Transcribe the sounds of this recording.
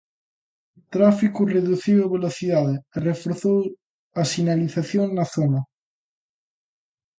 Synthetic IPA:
t̪ɾafikureðuθiwaβeloθiðaðeːrefoɾθow | asinaliθaθjoŋnaθona

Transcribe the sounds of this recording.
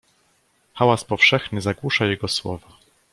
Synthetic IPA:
xawaspɔfʂɛxnɘzaɡwuʂajɛɡɔswɔ̰va

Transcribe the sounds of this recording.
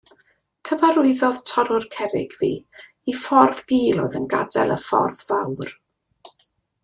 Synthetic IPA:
kʰəvaɾʊɨðɔð̥tʰɔɾʊrkʰɛɾɪ̰ɡ̥vḭː | ifɔrðɡiːlˠɔ̰ɨðənɡa̰dɛ̰lˠə̰fɔ̰rðvawr

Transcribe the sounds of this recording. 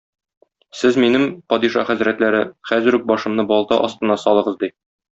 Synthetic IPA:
sɘzminɘmpɒd̪iʃɑ̰χæzɾæt̪læɾɘχæzɘ̆ɾʉk̚bɒʃɤ̆mnɤbɒlˠt̪ɑ̰ʔɒst̪ɤ̆nɑsɒlˠɤ̆ʁɤzd̪i

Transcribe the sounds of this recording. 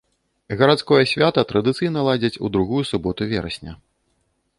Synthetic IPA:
ɣɐɾat̪skɔjɐsʲvʲat̪ɐt̪ɾɐd̪ɨt̪sɨjnɐlˠad͡zʲɐt͡sʲud̪ɾuɣujusubɔt̪uvʲɛɾɐ̰sʲnʲɐ̰

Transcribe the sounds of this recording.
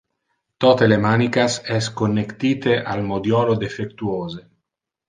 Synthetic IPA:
t̪ɔːt̪elemaːnikasɛskonːekt̪iːt̪eʔalmod̪jɔːlod̪efekt̪uoːze

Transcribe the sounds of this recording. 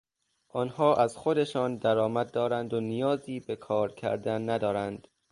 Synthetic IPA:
ʔɒːnhɒːʔæz̥xod̪e̞ʃɒːnd̪æɾɒːmæd̪̚ːɒːɾænd̪onijɒːziːbe̞kʰɒːɾcʰæ̰ɾd̪ænːæd̪ɒːɾænd̪̥

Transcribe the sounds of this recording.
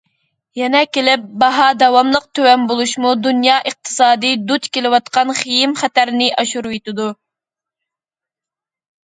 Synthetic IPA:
jɛnɛkʲelɪp̚bɑɦɑd̪ɛwɑmlˠəq̚t̪ʰøwɛmbolˠuʃmud̪unjɑʔəq̚t̪ʰɨ̥sɑːd̪ɨd̪ut̪kʲelɪwɑt̪qɑnχijimχæt̪æɾnɪʔɑʃuɾwet̪ɪd̪u

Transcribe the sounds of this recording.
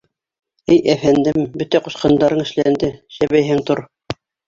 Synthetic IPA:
ɘjæfænd̪ɘmbɵt̪æqŏʃqɑnd̪ɑɾɤɴɘ̆ʃlænd̪ɘʃæβæjɦɘŋt̪oɾ

